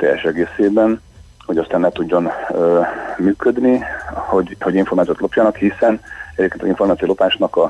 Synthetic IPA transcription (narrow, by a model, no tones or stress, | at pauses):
t̪ɛ̰jɛ̰ʃɛɡeːseːbɛn | ho̞ɟɒst̪aːnlɛt̪uɟːo̞nømyːkød̪nihoɟhoɟiɱformaːt̪ijot̪lo̞pjɒnɒkhisɛnɛɟeːpkenɒziɱfo̞rmaːt̪siolo̞paːʃnɒkɒ